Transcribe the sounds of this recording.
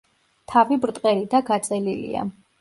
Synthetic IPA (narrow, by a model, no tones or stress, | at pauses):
t̪ʰavibɾt̪ʼqʼɛɾid̪aɡat̪sʼɛlilḭa̰